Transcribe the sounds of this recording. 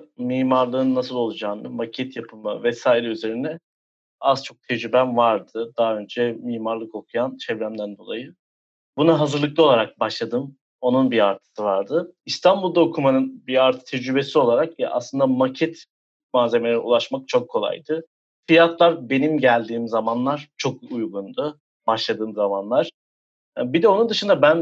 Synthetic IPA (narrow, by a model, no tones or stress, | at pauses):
miːmaɾlˠɯːɯnːas̬ɯlˠo̞lˠud͡ʒaːnɯmacʰɛt̪japʰɯmɯ̰vɛsaːiɾɛyze̞ɾind̪ɛ | azt͡ʃʰo̞k̚t̪ʰed͡ʒɾybænvaɾd̪ɯd̪aɦø̞nd͡ʒɛmiːmaɾlˠɯko̞kʰujant͡ʃʰɛvɾæmd̪ænd̪o̞lˠa̰jɯ | bunaɦazɯɾlˠɯklaolˠaɾak̚baʃlˠad̪ɯm | o̞nunbiaɾt̪ʰɯ̥sɯvaɾd̪ɯist̪ʰanbulˠd̪aokʰumanɯnbiaɾt̪ʰɯ̥t̪ʰed͡ʒɾybe̞sio̞lˠaɾakja̰ʔa̰slˠɯnd̪amacʰɛt̪ | maːze̞melʲeɾɛṵlˠaʃmak̚t͡ʃʰo̞kʰːolˠa̰jd̪ɯ | fijat̪lˠaɾbe̞nimɟælʲd̪iːmzamanlˠaɾ̥t͡ʃʰo̞kujɡund̪ʊ | baʃlˠad̪ɯːmzamanlˠaɾ̥ | bid̪ɛo̞nund̪ɯʃɯnd̪abæn